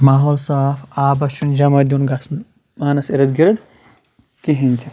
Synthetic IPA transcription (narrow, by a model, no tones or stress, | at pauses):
maːɦoːlsaːfaːbɐʃund͡ʒɐmɐd̪unɡɐsn | aːnɐsiɾɐd̪ɡiɾɐd̪ | kiɦinʲt̪ʲʰi